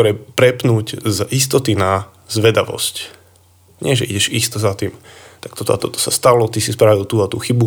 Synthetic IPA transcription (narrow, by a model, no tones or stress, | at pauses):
ɔɾɛpɾɛpnuːɟzist̪ɔt̪ina | zʋɛd̪aʋɔ̰sc | ɲɪɛʒɛʔḭɟɛʒist̪ɔzat̪iːmt̪ak̚t̪ɔt̪ɔ̰a̰t̪ɔt̪ɔ̥sast̪alɔt̪isispɾaʋilt̪uːat̪ṵːxibu